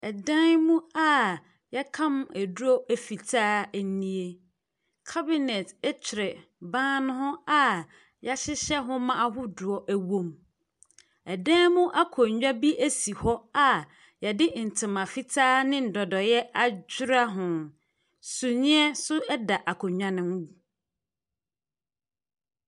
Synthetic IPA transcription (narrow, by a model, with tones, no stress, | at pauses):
ɛ˨dã˦nmũ˦a˨ | jɛ˦kʰã˦mæ˨du˦ɔ˦æ˨fi˨tʰaː˦nĩ˦e˦ | kʰa˦bɪ˨nɛ˨tɛ˦t͡ɕʰᶣɪ˨ɾɛ˨bãː˦nʊ̃˦hʊ̃˦a˨ | ja˦ɕɪ˦ɕɛ˦ɦʊ̃˦mã˦a˨ɦʊ˦dʊ˨ɔ˦ʔæ˦wõ˦m | ɛ˨dɛ̃ː˦mʊ̃˦ʔa˦kʰɔ˨ɲ˨ɲᶣa˦bi˦ʔæ˦si˨hɔ˦a˨ | jɛ˨dɪ˦n̩˨tʰɪ̃˨mã˨fi˦tʰaː˦nɪ̃˦n̩˨dɔ˨dɔ˨jɛ˦a˦d͡ʑᶣɪ˦ɾa˦ɦʊ̃˨ | su˨ɲɪ̃˦ɛ˦sʊ˦ɛ˦da˨ʔa˨kʰɔ˨ɲᶣã˨nɪ̃˦m˦wu˨